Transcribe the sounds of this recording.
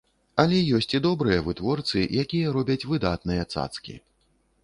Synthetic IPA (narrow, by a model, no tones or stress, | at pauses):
ɐlʲɛjɔsʲt͡sʲid̪ɔbɾɨjɐvɨt̪vɔrt̪sɨjakʲijɐɾɔbʲɐt͡sʲvɨd̪at̪nɨjɐt̪sa̰t̪skʲḭ